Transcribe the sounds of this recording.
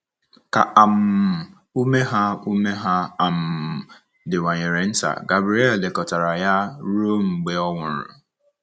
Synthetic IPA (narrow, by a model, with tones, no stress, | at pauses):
ka˨ʔa˨m̩˨ | u˦me˦ɦa˦u˦me˦ɦa˦a˨m̩˨ | dɪ˨wʷa˨ɲɪ˨ɾe˨n̩˦ta̰˨ɡa˨bɾi˨˦e˦˨ldɪ˨kɔ˨ta˨ɾa˨ja˦ɾo˦m̩˨ɡ͡be˦ɔ˦ŋʷʊ˨ɾʊ̰˨